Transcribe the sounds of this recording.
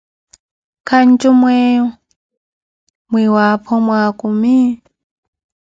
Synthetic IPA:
kʰant͡ʃʼumwɛ | mwiwapʰɔmwakumi

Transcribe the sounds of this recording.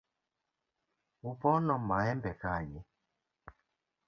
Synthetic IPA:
upɔnɔmaɛmbɛkaɲi

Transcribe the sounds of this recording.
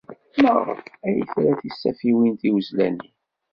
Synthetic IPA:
məʁə̰æjθɾæθisːæfiwint̪iwəzlæni

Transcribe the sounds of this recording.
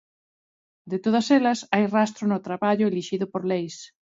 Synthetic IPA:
d̪ɪt̪oð̞ɐsɛlɐsajrast̪ɾʊnʊt̪ɾaβaʎʊeliʃiðʊpoɾlejs

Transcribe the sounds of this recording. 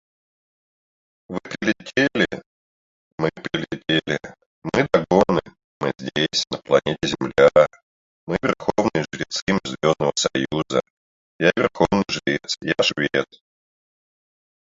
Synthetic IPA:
vɨpɾʲɪlʲɪtʲʰelʲɪ | mɨpɾʲɪlʲɪtʲelʲɪ | mɨd̪ɐɡonɨ | mɨzʲdʲesʲnəplˠɐnʲetʲɪzʲɪmlʲa | mɨvʲɪrxovnɨjəʐɨɾʲɪt̪sɨmɨzʲvʲo̞znəvəsɐjuzə | jaɪvɪrxovnɨjʐɨlʲit̪sjaʂvʲet̪

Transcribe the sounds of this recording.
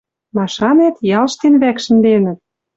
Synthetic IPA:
mɑʃɑnet̪jɑlʃt̪enβækʃə̆nd̪enə̆t̪̚

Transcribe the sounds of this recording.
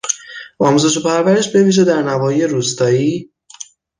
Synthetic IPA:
ʔɒːmuze̞ʃ̬o̞pʰæɾvæɾe̞ʃbe̞viːʒe̞d̪æɾnævɒːjijeɾuːst̪ɒːiː

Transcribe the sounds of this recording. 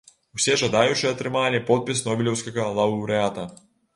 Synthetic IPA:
wsʲɛʐɐd̪ajut͡ʂɨɛɐt̪ɾɨmalʲipɔt̪̚pʲisnɔbʲɪlʲɛwsʲkɐɣɐlˠɐwɾɨat̪ɐ

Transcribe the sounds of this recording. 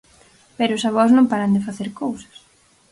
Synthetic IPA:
pɛɾʊsaβ̞ɔznõmpaɾɐnd̪ɪfaθeɾkowsɐ̥s

